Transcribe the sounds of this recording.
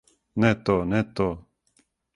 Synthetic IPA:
net̪onet̪o

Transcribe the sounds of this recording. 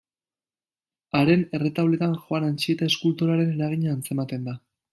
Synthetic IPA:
aɾe̞ne̞re̞t̪aβle̞t̪anʝoanant͡ʃie̞t̪ae̞skult̪oɾaɾe̞ne̞ɾaɣ̞iɲaːnt͡se̞mat̪e̞nd̪a

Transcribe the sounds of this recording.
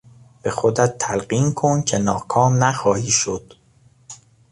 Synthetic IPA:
b̥e̞xod̪æt̪ʰːælɢiːnkʰoncʰe̞nɒːkʰɒːmnæxɒːhiːʃod̪̥

